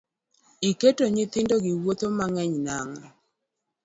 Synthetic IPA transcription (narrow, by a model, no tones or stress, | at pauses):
iketoɲɪt̪ɪndoɡɪwot̪omaŋɛɲnaŋ